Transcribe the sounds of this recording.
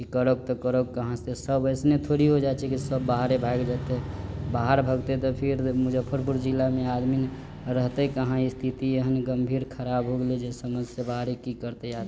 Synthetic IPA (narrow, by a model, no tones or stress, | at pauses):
kikəɾək̚t̪ɔkəɾək̚kəɦãsesəbəɪsnet̪ʰoɾiɦod͡ʒat͡ʃʰɛkisəbːaɦɾebʱaɡd͡ʒat̪eɦbaɦaɾbʱəɡt̪et̪ɔpʰiɾmud͡ʒəpʰːəɾpuɾd͡ʒilːamẽad̪min | ɾəɦt̪ekəɦãist̪ʰit̪ieɦənɡəmbʱiːɾkʰəɾabɦoɡled͡ʒesəməd͡ʒsjebaɦɾekikəɾt̪ead̪